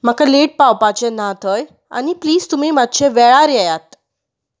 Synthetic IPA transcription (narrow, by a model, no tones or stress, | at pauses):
makaleʈ̚pawpat͡ɕenat̪ʰɔj | a̰nipliːzt̪umimat̪ɕʰẽʋɛɭaɾjɛjat̪